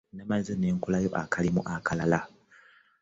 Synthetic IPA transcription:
namazene̞ːŋkulajo̞ʔakʰalimṵʔakʰalala

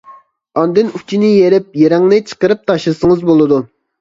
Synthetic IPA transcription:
ɑnd̪ɨnut͡ʃʰinɪjeɾɪp̚jeɾɛŋnɨt͡ʃʰə̥qəɾɨp̚t̪ʰɑʃlˠɨsəŋəzbolˠɨd̪u

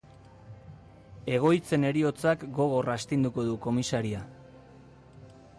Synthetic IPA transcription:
e̞ɣ̞o̞jt͡se̞ne̞ɾio̞t͡sakɡo̞ɣ̞o̞rast̪ind̪uko̞ðuko̞misaɾia

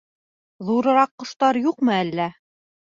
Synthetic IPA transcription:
ðuɾɤ̆ɾɑqːŏʃt̪ɑɾjuqmɤælːæ

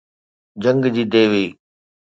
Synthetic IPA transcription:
d͡ʑə̃ŋɡd͡ʑiːd̪eːʋiiː

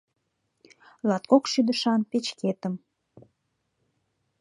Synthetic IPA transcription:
lɑt̪̚kokʃyd̪əʃɑnpet͡ɕket̪əm

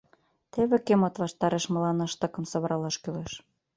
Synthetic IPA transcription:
t̪eβĕkemot̪βɑʃt̪ɑɾeʃmə̆lɑnɤʃt̪ɤ̆kə̆msɤ̆βə̆ɾɑlɑʃkyleʃ

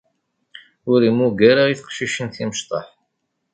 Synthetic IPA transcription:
ʊɾimuɡæɾaiθə̥qʃiʃənθiməʃt̪ˤɑħ

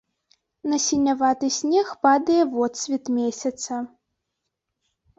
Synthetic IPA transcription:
nɐsʲinʲavat̪ɨsʲnʲɛxpad̪ɐjɛvɔt̪sʲvʲit̪mʲesʲɐt̪sɐ

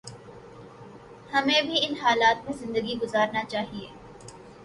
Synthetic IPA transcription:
hɐmẽbʱiɪnɦaːlaːt̪̚mẽzɪ̃nd̪əɡiɡʊzaːɾnat͡ʃaːɦieː

